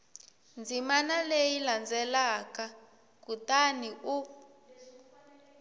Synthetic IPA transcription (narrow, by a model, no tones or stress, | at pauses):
nd͡zʱimanalejiland͡zʱɛlaka | kutaniʔu